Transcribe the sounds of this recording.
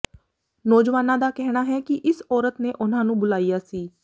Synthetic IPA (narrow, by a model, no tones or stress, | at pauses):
nɔːd͡ʒʋaːnãːd̪aːkɛɦɽ̃aːɦɛːkɪʔɪsɔːɾət̪neːʔʊn̤ãːnũːbʊlaːijaːsiː